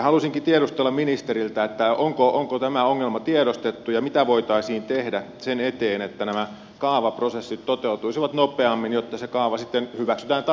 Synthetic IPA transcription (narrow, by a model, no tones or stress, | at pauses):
hɑlusiŋkit̪ieɾust̪elːɑminist̪eɾilt̪æet̪ːæoŋkoʔoŋkot̪æmæoŋːelmɑt̪ieɾost̪et̪ːujɑmit̪æʋoit̪ɑisiːnt̪ehdæsenet̪eːnet̪ːænæmæ | kɑːʋɑprosesːit̪tot̪eut̪uisiʋɑt̪nopeɑmːinjot̪ːɑsekɑːʋɑsit̪ːenhyʋæksy̥t̪æːnt̪